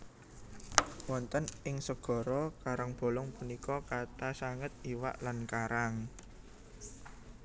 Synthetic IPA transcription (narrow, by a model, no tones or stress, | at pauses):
wɔnt̪ənɪŋsəɡ̥ɔ̤ɾɔkaɾaŋb̥ɔ̤lɔŋpunikɔkat̪asaŋət̪̚iwa̰ʔlankaɾaŋ